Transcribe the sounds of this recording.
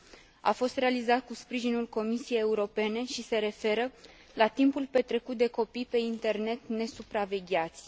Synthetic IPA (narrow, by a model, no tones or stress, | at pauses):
a̰fo̞st̪ɾe̞alizat̪̚kuspɾiʒinulko̞misije̞jeuɾo̞pe̞ne̞ʃise̞ɾe̞fe̞ɾə | lat̪impulpe̞t̪ɾe̞kut̪̚d̪e̞ko̞pijpe̞int̪e̞rne̞t̪ne̞supɾave̞ɡʲat̪sʲ